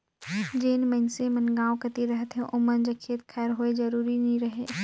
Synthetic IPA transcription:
d͡ʒeːnmɐ̃nsemɐnɡãːw̃kɐt̪iɾɐɦət̪ɦɛ̃ʔʊmənd͡ʒakʰeːt̪xʰɛːɾɦoezɐɾuːɾinɐĩɾɐɦeː

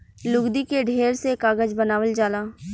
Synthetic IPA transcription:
lʊɡd̪ikeɖʱeːɾsekaːɡəd͡ʒbənaːʋəld͡ʒaːlaː

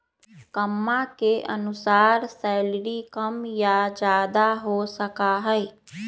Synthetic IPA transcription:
kəmːãkeʔə̰nʊsaːɾsɛɪlɾikəmjad͡ʒaːd̪aɦosəkaɦɛɪ

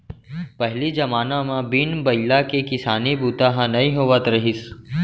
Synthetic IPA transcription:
pɛɦlid͡ʒɐmaːnãmãbinbɐjlakekɪsaːnibuːt̪aɦãnɐĩɦoːʋət̪ɾɐɦɪs

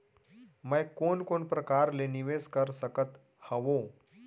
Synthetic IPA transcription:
məjkonkonpɾəkaɾleniʋeskəɾsəkət̪ | həʋo

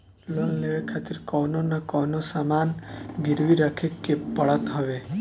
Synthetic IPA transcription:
lonleʋekʰat̪iɾkɔwnɔnakɔwnɔsamanɡiɾʋiɾakʰekːepɔɭat̪ɦɔβe

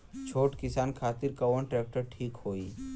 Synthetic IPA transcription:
t͡ʃʰoːʈkɪsaːnkʰaːt̪ɪɾkɐwənʈɾɛːk̚ʈəɾʈʰiːkhoːiː

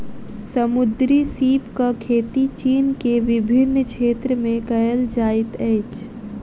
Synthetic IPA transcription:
səmʊd̪ɾisiːpkakʰeːt̪it͡ʃiːnkeʋɪbʱɪnːkʃeːt̪ɾəmẽkəjəld͡ʒaːɪt̪ɛːt͡ʃ

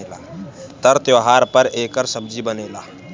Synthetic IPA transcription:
laːt̪əɾt̪joɦaːɾpəɾeːkəɾsəb̚d͡ʒibəneːlaː

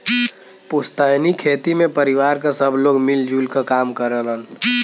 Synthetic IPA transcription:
pʊst̪əɦnikʰeːt̪imẽpəɾiwaːɾkasəbʱloːɡmild͡ʒuːlkakaːmkəɾələn

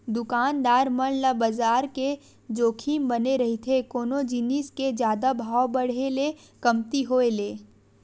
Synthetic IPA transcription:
d̪ʊkaːnd̪aːɾmənlabəzaːɾke | d͡ʒoːkʰiːmbɐneɾɐɦit̪ʰekoːnod͡ʒinisked͡ʒjaːd̪abʱaːwbɐɽ̤ele | kɐmt̪iɦoːeleː

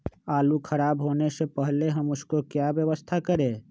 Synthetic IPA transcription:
aːlukʰəɾaːbɦoːnesepəɦleɦəmʊskokjabjəʋəst̪ʰakəɾẽ

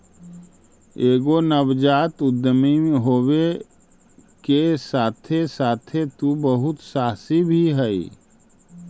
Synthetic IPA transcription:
eːɡonəwd͡ʒaːt̪ʊd̪ːəmimɦoːwe | kesaːt̪ʰesaːt̪ʰet̪ubəɦʊt̪saːsibʱiɦɛḭ

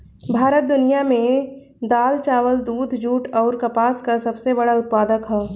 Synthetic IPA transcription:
bʱaːɾət̪̚d̪ʊnijamẽ | d̪aːlt͡ʃaːʋəld̪uːd̪ʱd͡ʒuːʈɔːɾkɐpaːskasɐbsebɐɽaʊt̪̚paːd̪əkɦɛː

